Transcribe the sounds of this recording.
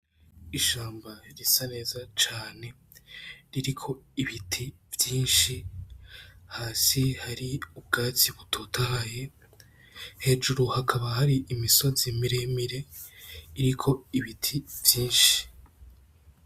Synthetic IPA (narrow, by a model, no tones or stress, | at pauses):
iʃaːmbaɾisane̞ːzat͡ʃaːne̞ | ɾiɾikʰo̞iβitʰivjiːnʃi | haːsihaɾiub̚ɡaːt͡siβutʰoːtʰahaje̞ | he̞ʒuɾuhakʰaβahaɾiʔimiso̞zimiɾemiɾe̞ | iɾikʰo̞iβitʰivjiːnʃi̥